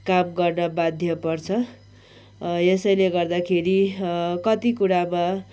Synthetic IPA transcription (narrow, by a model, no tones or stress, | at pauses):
kamɡʌrnʌbad̪ʱjʌpʌrt͡sʰʌ | esʌjleɡʌrd̪akʰeɾikʌt̪ikuɾama